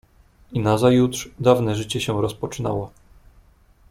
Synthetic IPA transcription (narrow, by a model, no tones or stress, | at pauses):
inazajut̪ʂd̪avnɛʐɘt͡ɕɛɕɛ̃ɾɔspɔt͡ʂɘnawɔ